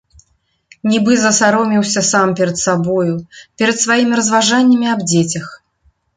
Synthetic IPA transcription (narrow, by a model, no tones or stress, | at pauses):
nʲibɨzɐsaɾɔmʲiwsʲɐsampʲɛɾɐt̪sabɔjupʲɛɾɐt̪svajimʲiɾɐzvaʐanʲːɐmʲiabd͡zʲet͡sʲɐx